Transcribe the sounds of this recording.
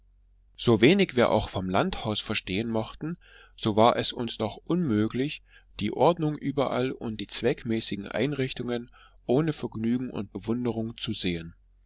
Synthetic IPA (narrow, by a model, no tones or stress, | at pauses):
z̥oːveːnɪçv̥iːɐʔa̰ʊxfɔmlanthaʊsfɛɐʃteːənmɔχtn̩ | z̥oːvaːɐʔɛsʊnsd̥ɔχʔʊnmøːklɪç | d̥iːʔɔɐdnʊŋʔyːbɐʔa̰lʊ̰ntd̥iːt͡sv̥ɛkmɛːsɪɡŋ̩ʔa̰ɪnʁɪçtʊŋən | ʔoːnəfɛɐɡnyːɡŋ̩ʔʊ̰nt̚b̥əvʊndəʁʊŋt͡suzeːən